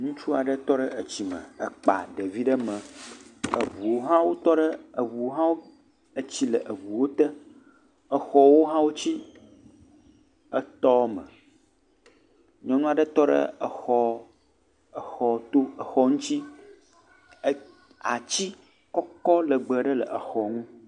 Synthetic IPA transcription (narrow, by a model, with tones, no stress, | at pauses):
ŋũ˦t͡ʃu˦a˨ɖə˦t̪ɔ˦ɖə˦ʔə˨t͡ɕi˨mə̰̃˨ə̰˨k͡pa̰˨ɖə˨vi˦ɖə˦mə̃˨ | ə˨vu˨wo˦ɦã˦wo˦t̪ɔ˦ɖə˦ə˨βu˨wo˦ɦã˦wo˦ | ə˨t͡ɕi˦lə˨ʔə˨βu˨wo˦t̪ə˦ | ə˦xɔ˦wo˦ɦã˦wo˦t͡ɕi˦ | ə˦t̪ɔ˦mə̰̃˨ | ɲɔ̃˦nũ˦a˨ɖə˦t̪ɔ˦ɖə̰˦ə˨xɔ˦ | ə˨xɔ˨t̪o˦ə˨xɔ˦ŋũ˦t̪i˦ | a˨t͡ɕi˦ | kɔ˦kɔ˦lə˨ɡ͡bə˨ɖə˦lə̰˨ʔə˨xɔ˨ŋũ˦